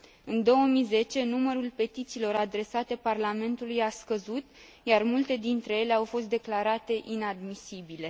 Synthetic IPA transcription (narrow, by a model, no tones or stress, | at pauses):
ɨnd̪o̞wəmize̞t͡ʃe̞numəɾulpe̞t̪it̪silo̞ɾad̪ɾe̞sat̪e̞parlame̞nt̪ulujaskəzut̪ | jarmult̪e̞d̪int̪ɾe̞je̞le̞awfo̞s̬t̪̚d̪e̞klaɾat̪e̞ʔinad̪misibile̞